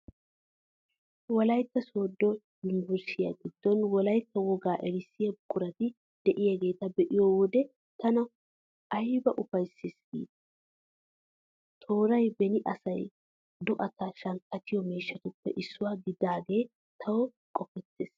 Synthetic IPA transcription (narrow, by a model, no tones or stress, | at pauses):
wɔlɐjt̪ːɐso̞ːd̪ːɔ | jɪmbɛɾsɪjɐ̰ɡɪd̪̥ːɔnwɔlɐjt̪ːɐwɔɡaːʔɛɾɪsːɪjɐbʊkʼʊɾɐt̪ɪ | d̪̥ɛʔɪjɐɡe̞ːt̪ɐbɛʔɪjɔwɔd̪ɛ | t̪ɐnɐ | ʔɐjbɐʔʊfɐjsːɪsɡḭːd̪ɐ̥ | t̪ʰo̞ːɾɐjbɛnɪʔɐsɐj | d̪ɔʔɐt̪ɐʃɐŋkːɐt̪ɪjɔmeːʃːɐt̪ʊpːɛ̰ʔɪsːʊwaːɡɪd̪aːɡe̞ː | t̪ʰɐwɔ | kʼɔpːɛt̪ːeːs